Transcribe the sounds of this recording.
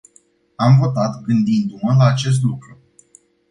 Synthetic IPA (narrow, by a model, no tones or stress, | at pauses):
amvo̞t̪at̪ɡɨnd̪ind̪uməlaːt͡ʃe̞s̬t̪lukɾu